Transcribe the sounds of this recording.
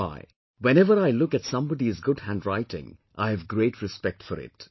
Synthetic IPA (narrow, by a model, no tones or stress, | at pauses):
a̰ɪ | wɛ̃nɛʋəɾaɪlʊkætsʌ̃mbɔɖiɪzɡʊdhæ̃ndɾaɪtɪ̰̃ŋ | ʔa̰ɪævɡɾeːʈɹɨspɛk̚ʈfɔɾɪ̰ʈ